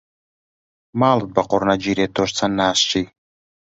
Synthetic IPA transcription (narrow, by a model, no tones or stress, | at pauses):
maːlˠɨt̪̚baqoɾnad͡ʒiɾet̪oʃt͡sʰanːaːst͡ʃij